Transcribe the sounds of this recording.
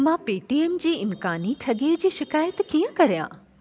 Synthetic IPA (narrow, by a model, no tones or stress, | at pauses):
mãpiːʈieːmd͡ʑiːɪmkaːniʈʰɐɠeːd͡ʑiːʃɪkaːjət̪kijə̃kɐɾijã̰ː